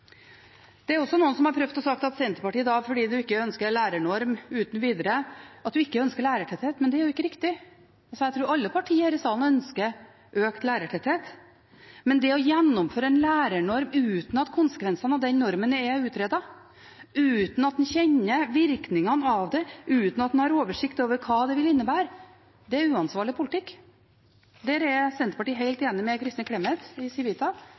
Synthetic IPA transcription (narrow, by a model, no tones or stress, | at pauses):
d̪̥ɛæɾɔsːɔnuːənsɔmhɑɾpʰɾœʋd̪ɔsɑk̚t̪ɑt̪sɛnt̪əpɑʈiːd̪ɑfɔɖiːd̪ʉɪkːəœnskəɾɭæːɾəɳɔɾmʉːt̪nʋiːd̪əɾəɑt̪d̪ʉɪkːəœnskəɭæːɾəʈʰɛt̪heːt̪mɛnd̪ɛæɾjʊɪkːəɾɪkt̪ɪ | ɑlsɔjæɪt̪ɾuːɾɑlːəpʰɑʈʰiːəɾɪsɑːlnœnskəɾ | ʔøːkt̪læːɾəʈʰɛt̪heːt̪ | mɛnd̪ɛɔjɛnːʊmføːɾəɛnlæːɾəɳɔɾmʉːt̪n̩ɑt̪kʰʊnsə̥kʋɛnsɑnɑʋd̪ɛnnɔɾmənɛʉːt̪ɾɛːd̪ɑ | ʉːt̪n̩ɑt̪̚n̩çɛɲːəʋɪɾknɪŋɑnɑʋd̪ɛʔʉːt̪n̩ɑt̪̚nhɑɾoːʋəʂɪkt̪oːʋəɾkʰɑːd̪ɛʋɪlɪnːəbæːɾ | d̪ɛæɾʉːɑnsʋɑːɾɭɪpʰʊlɪt̪ʰɪkː | d̪æːɾɛsɛnt̪əɾpɑʈiːɦeɪlt̪eːnɪmɛkʰɾɪst̪əkʰɽɛmɛt̪ɪsɪʋiːt̪ʰɑ